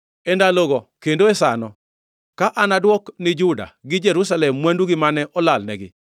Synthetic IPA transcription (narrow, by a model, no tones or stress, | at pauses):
ɛndaloɡɔkendoɛsanɔ | kaʔanadwɔknɪd͡ʒuda̰ɡɪd͡ʒɛɾusalɛmːwɛnduɡɪmanɛʔɔlalnɛɡɪ̰